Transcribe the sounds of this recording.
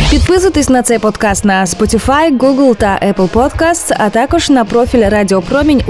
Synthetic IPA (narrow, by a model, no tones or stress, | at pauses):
pʲɪt̪pɨzɨt̪ɨsʲnɐt̪sɛpot̪kast̪nɐspotʲɪfajɡuɡəlˠt̪ɐʔɛplˠpot̪kast̪sɐ̰t̪akɨʂnɐpɾofʲɪlʲradʲɪopɾomʲɪnʲ